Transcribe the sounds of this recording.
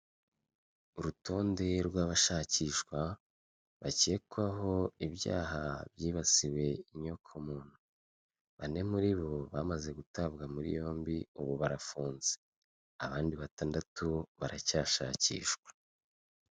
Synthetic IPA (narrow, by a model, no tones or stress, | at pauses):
uɾuto̞ːnde̞ɾɡwaːβaʃaciʃkwa | βace̞kuaɦo̞iβja̰ːhaβjiːβasiwe̞iɲo̞kʰomuːn̥hu | βane̞muɾiβo̞βamaze̞ɡutaβɡamuɾḭjo̞ːmbiuβuβaɾafuːnze | aβaːndiβataːndatuβaɾacaːʃaːcḭːʃkwḁ